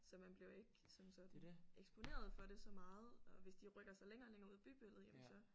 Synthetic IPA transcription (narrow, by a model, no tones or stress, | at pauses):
sɒ̽mænb̥le̝ʊe̝ɡ̥sɒ̽msɒ̽d̥n̩eɡ̥sb̥o̝ne̝̰ːɐð̞ˠfɒ̽ɾ̥e̝sɒ̽mɑ̈ːð̞̩ˠɒ̽ʋe̝sd̥iʁœɡ̥ɐsɑ̈ɪleŋɐːleŋɐuð̰ˠæb̥y̰ːb̥øl̰ð̩ˠjemn̩sɒ̽